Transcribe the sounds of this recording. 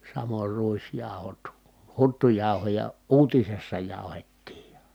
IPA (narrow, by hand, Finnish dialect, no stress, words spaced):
sɑmor ruisjɑˑu̞hot hutːujɑˑu̞hojɑ uːtisesːɑ jɑˑuhetːiːj jɑ